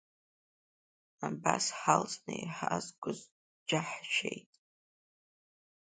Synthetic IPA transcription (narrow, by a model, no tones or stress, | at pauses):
abasħalt͡sʼnɨjħazɡʷʊz | d͡ʒaħt͡ʃʷʰejtʼ